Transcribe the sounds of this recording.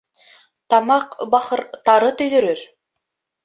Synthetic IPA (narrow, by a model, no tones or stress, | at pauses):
t̪ɑmɑqbɑχɤɾt̪ɑɾɤt̪ɵ̆jðɵ̆ɾɵɾ